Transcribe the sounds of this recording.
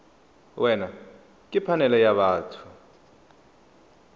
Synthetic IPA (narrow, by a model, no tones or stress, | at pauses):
wʔɛna | kʼipʰanɛlɛjaɓaːtʰu̥